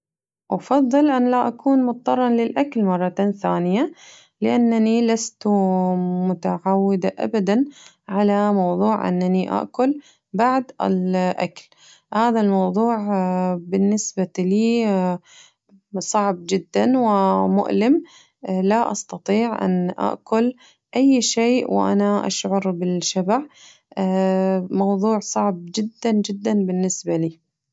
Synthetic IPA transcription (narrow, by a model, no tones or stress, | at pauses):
ʔɑfɑðˤːɨlʔanlaʔakʰuːnmʊt̪̚ˤːɑrˤːɑnlɪlʔaklmɑrˤːɑt̪aθaːnɪja | lɪʔanːanilast̪umʊt̪aʕawːɪd̪aʔa̰bad̪an | ʕalamɑwðˤuːʕʔɪ̰nːaniʔa̰ʔkʊl | baʕd̪ɪ̰lʔa̰kl | haːðalmɑwðˤuːʕbɪnːɪsbaliː | sˤɑʕb̚d͡ʒɪd̪ːanwɪmʊ̰ʔlɪm | laʔɑ̰st̪ɑt̪ˤiːʕʔa̰nʔa̰ʔkʊl | ʔajːʃeːʔwʔa̰naʔa̰ʃʕʊɾbɪlʃabaʕ | mɑwðˤuːʕsˤɑʕb̚d͡ʒɪd̪ːand͡ʒɪd̪ːanbɪnːɪsbaliː